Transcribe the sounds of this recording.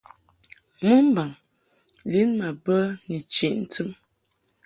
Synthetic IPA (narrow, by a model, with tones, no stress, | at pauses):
mu˦m̩˦ba˨ŋ | li˨˦nma˨bə˦ni˨t͡ʃi˨ʔn̩˦tʰɨ˦m